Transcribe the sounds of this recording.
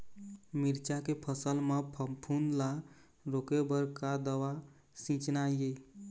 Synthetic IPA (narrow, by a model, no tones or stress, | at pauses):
miɾt͡ʃakepʰəsəlmepʰpʰund̪la | ɾokebəɾkad̪əwa | sĩt͡ʃnajje